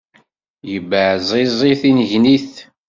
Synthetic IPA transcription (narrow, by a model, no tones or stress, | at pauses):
jəbəʕzˤɪzˤiθinəʝniθ